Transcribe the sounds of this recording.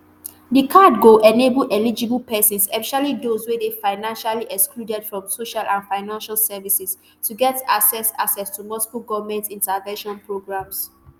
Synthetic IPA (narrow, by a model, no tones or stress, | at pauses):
dikʰadɡoʔɛnebəlʔɛlid͡ʒiblpɛsɔ̃nsɛfiʃalidozwedefaɪnãnʃaliʔɛkskludɛd̥fɹɔ̃msoʃalʔãnfaɪnãnʃalsɛvisis | tuɡɛtaksɛsa̰ksɛstumɔskuɡɔvmɛ̃ntĩntəvɛ̃nʃɔ̃npʰɹoɡɹãms